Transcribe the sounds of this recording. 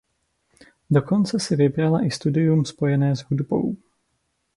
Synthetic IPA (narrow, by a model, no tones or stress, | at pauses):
do̞ko̞nt͡sɛsɪvɪbɾalaʔɪst̪udɪjumspo̞jɛnɛːzɦudbo̰w